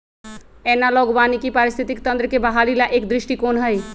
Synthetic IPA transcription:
ɛnaloɡbanikipaɾɪst̪ʰit̪ikt̪ə̃nd̪ɾəkebəɦalilaʔekd̪ɾɪʃʈikoːnɦəj

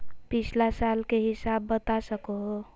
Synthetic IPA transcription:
pit͡ʃʰlasalkeɦisabːət̪asəkoɦo

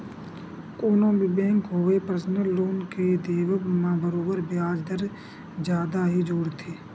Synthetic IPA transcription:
koːnõːbʱibẽːŋkɦoːepɾəsnəlːoːnked̪eːʋəkmãbəɾoːbəɾbjaːd͡ʒd̪əɾ | d͡ʒjaːd̪aɦid͡ʒoːɽt̪ʰeː

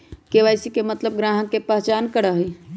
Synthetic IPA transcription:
keʋaɪsikemət̪ləb̚ɡɾaːɦə̃kepəɦt͡ʃaːnkəɽəɦi

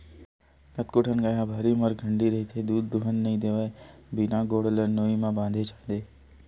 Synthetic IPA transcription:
kət̪kʊʈʰənɡəjãbʱaɾiməɾɡʱə̃ɳɖiɾɐɦit̪ʰed̪uːd̪ːʊɦənːɐɦĩd̪eːʋəebɪnãɡoːɽələnoːĩmãbãːnd̪ʱet͡ʃaːd̪eː

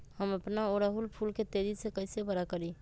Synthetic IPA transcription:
həməpnaoɾaɦulpʰulket̪ed͡ʒisekəɪsebəɾakəɾi

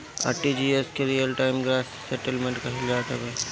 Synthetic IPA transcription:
a̰ːʈid͡ʒieskeɾijəlʈaːɪmɡɾaːssɛʈəlmẽɳʈkaɦɪlaːt̪ɐbe

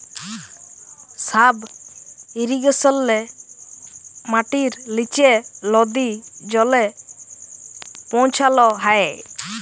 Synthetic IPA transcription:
sab | iɾiɡəsɔlːɛ | maʈiɾlit͡ʃelɔd̪id͡ʒɔlɛ | pɔ̃t͡ʃʰalɔɦae

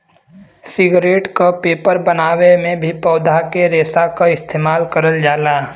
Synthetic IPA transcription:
sɪɡɾeːʈkopeːpəɾbənaːwemẽbʱipɔːd̪ʱakeɾeːsakaɪst̪ʰeːmaːlkəɾəld͡ʒaːlaː

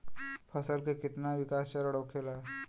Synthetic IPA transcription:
pʰəsəlkekit̪naʋikast͡ɕaɾəɽəkʰela

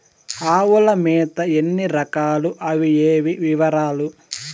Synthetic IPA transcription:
aːwulɐmɛːt̪ɐenːiɾɐkaːluʔɐʋieːʋiʋiʋɐɾaːlu

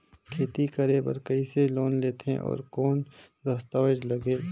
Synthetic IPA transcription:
kʰeːt̪ikəɾebə̰ɾkəiseloːnleːt̪ḛ̃ʔɔ̰ːɾkoːn | d̪ɐst̪aːwəd͡ʒləɡeː

